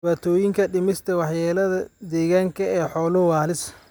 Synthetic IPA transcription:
ɪaːt̪ʰɔːjɪŋkʰɐɖɪmɪst̪ʰɐwɑħjaːlɐðɐd̪ɛːɣaːŋkʰɐɛːħɔːlɔwaːlɪs

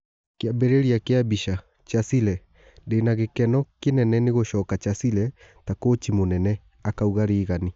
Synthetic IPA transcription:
keabeɾeɾiakeabiʃa | t͡ʃasilɛ | ndenaɣekɛnɔkenɛnɛneɣoɕɔːkat͡ʃasilɛ | takot͡ʃimonɛnɛ | akauɣaɾeːɣani

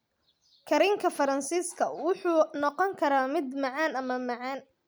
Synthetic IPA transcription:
kʰɐɾɪŋkʰɐfɐɾɐnsiːskʰɐwʊħuːnɔqɔŋkʰɐɾaːmɪd̪mɑʕɑːnɐmɐmɑʕɑːn

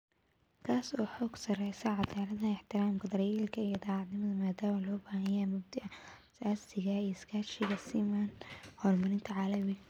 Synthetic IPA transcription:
kʰaːsɔːħɔːɡsɐrɛjsɐʕɑd̪aːlɐðɐɪħt̪ʰɪɾaːmkʰɐd̪ɐɾjiːlkʰɐijɐd̪ɑːʕɑd̪nɪmɐðɐmaːd̪aːmɐlɔːbaːhɐjɛːmʊb̚d̪ɪʔɐsaːsɪɣɐiːskʰaːt͡ʃɪɣɐsiːmanhɔːrmɐɾɪnt̪ʰɐʕɑlɐmɪɐ

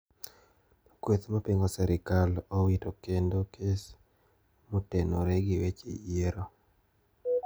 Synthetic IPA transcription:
kwet̪mapiŋɡosɛɾɪkalowitokendokʰes | mutenoɾeɡɪwet͡ʃḛjeɾo

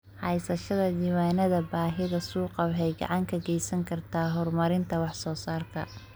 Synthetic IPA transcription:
ħɑjsɐʃɐðɐd̪iːwaːnɐðɐbaːɦɪɣɐsuːqɑbħɛjɡɑ̰ʕɑŋkʰɐɡɛjsɐŋkʰɐrt̪ʰaːɦɔrmɐɾɪnt̪ʰɐwɑħsɔːsaːrkʰɐ̰

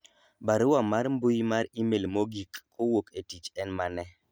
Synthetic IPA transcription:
baɾʊwamaɾmbʊjmaɾimelmoɡikː | owoketit͡ʃɛnmanɛ

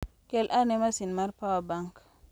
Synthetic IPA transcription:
kelʔanemasinmaɾpawabaŋk

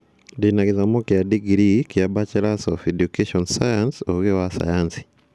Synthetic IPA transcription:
dinaɣizamokjadiɡɾikjabat͡ʃɛlasɔfɛdjukeʃɔnsajansoɣewasa̰jansi̥

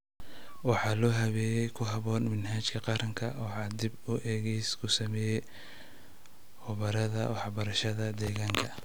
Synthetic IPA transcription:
wɑħɑːlɔːɦɐβɛːjɛjkʰʊɦɐβɔːnmɪnɦaːt͡ʃkʰɐqɑɾɐŋkʰɐwɑħɑːd̪ɪbʊʔɛːɣɛskʰʊsɐmɛːjɛ | hʊβɐɾɐðɐ̰wɑħbɐɾɐʃɐðɐd̪ɛːɣaːŋkʰɐ

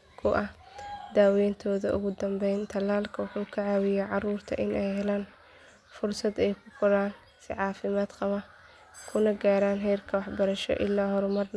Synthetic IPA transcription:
kʰʊʔɐhd̪aːwɛːnt̪ʰɔːðɐʔʊ̰ɣʊd̪ɐmbɛjnt̪ʰɐlaːlkʰɐħʊkʰɐʕaːwɪjɛʕɑruːrt̪ʰɐ̰ʔɪnɛjɦɛlaːn | fʊrsɐd̪ɛjkʰʊqʊɾaːn | sɪ̰ʕɑːfɪmaːd̪qɑβɐ | kʰʊnɐɡaːɾaːnɦɛjrkʰɐwɑħbɐɾɐʃɔ̰ʔɪ̰lːaːɦɔɾʊmɐrn

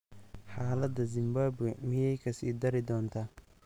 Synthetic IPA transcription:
ħaːlɐd̪ɐzɪmbaːbwɛmɪjɛjkʰɐsḭːd̪ɐɾɪd̪ɔːnt̪ʰaː

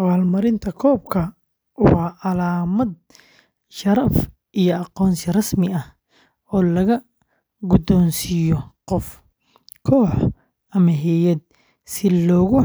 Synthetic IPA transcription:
ɐwaːlmɐɾɪnt̪ʰɐkʰɔːb̚kʰɐ | wɑːʔɐlaːmɐd̪̚ | ʃɐɾɐf | ʔijɔɑqɔːnsɪrɐsmɪɐh | ɔːlɐɣɐ | ɡʊd̪ɔːnsijɔqɔf | kʰɔːħ | ɐmɐɦɛjɐd̪̚ | sɪlɔːɣʊ

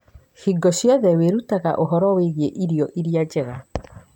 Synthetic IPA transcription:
hiɡɔɕjɔðɛweɾutaɣa̰ʔoɦɔɾɔweɣieʔiɾiɔʔiɾiad͡ʒɛɣa

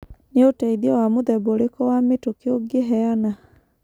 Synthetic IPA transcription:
neotɛiðiɔwamoðɛbolekɔwametokeoɡeɦɛana

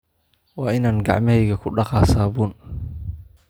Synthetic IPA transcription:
wɑːɪnaːnɡɑ̰ʕmɐhɛjɣɐkʰʊɖɑqɑːsaːβʊːn

